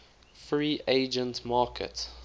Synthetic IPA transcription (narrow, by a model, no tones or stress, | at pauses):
fɹiːʔeɪd͡ʒə̃ntmɑːkʰə̰t